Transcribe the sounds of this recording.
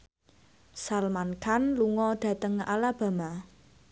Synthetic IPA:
salmankanluŋɔɖ̪̥ä̤t̪əŋa̰lab̥a̤ma

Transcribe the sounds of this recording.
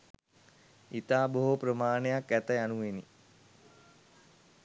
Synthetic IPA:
it̪aːboɦoprəmaːnejakæt̪əjanuʋeni

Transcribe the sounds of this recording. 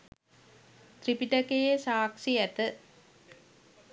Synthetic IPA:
t̪ɾipiʈɐkejesaːkʂijɐt̪ɨ

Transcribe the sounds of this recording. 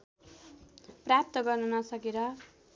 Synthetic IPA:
prap̚t̪ʌɡʌrnunʌsʌkeɾʌ

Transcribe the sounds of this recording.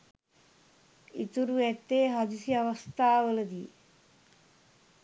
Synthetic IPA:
ḭt̪uɾuɛt̪ːeːɦɐd̪isiɐʋɐst̪aːʋəlɐd̪i

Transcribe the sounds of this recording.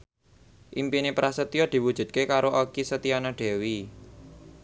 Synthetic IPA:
ʔimpinepɾasət̪iɔd̪̥i̤wud̥ʒ̥ṳd̪̚kekaɾoʔokisət̪iɔnɔɖ̪̥e̤wi

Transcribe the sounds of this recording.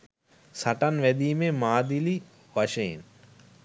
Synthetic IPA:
sɐʈɐnʋɛd̪iːmemaːd̪ili | ʋɐʃeḛn

